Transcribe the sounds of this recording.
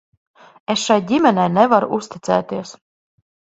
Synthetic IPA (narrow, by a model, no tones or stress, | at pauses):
esʃajdʲimʲɛnɛjnɛvaɾuʔusʲt̪ʲit̪sɛ̰ːt̪iɛs